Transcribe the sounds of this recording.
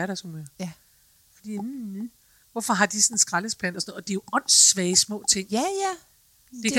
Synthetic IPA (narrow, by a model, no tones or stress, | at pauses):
æɐɾ̥æsume | fɒd̥ḭːm̩ | ʋɔ̽fɒ̽ɦɑ̈d̥isɔn̩sɡ̥ʁaləspʰæn̰dɒsɔnɔð̩ˠɒd̥ejo̝ɒ̽n̰sʋɛːsmɔ̰̽ːt͡sʰe̝ŋ̰ | d̥e̝